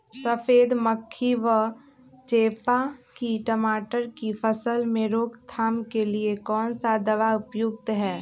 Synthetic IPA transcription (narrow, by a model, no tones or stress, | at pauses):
səpʰeːd̪məkʰːiʋə | t͡ʃeːpakiʈəmaːʈəɾkipʰəsəlmẽɾoːɡt̪ʰaːmkeliekɔːnsad̪ɐʋaʊpjʊɡ̚t̪ɦɛː